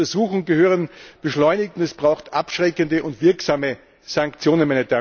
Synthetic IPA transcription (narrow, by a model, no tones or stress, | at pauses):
ɐzuːxʊŋɡəhøːʁənb̥əʃlɔʏnɪktʊnɛsb̥ʁaʊxtʔapʃʁ̥ɛkəndəʔʊntv̥ɪɐksaːmə | saŋkt͡sjoːnənmɛnɛd͡ʒɐ